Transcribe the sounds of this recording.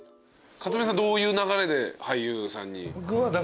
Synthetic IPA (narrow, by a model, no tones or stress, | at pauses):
kat͡sɨmesãnd̪o̞ːjɯ̟ːnaɣaɾe̞d̪e̞haiːɯːsã̰ɲ̟ːḭbokɯ̟βad̪a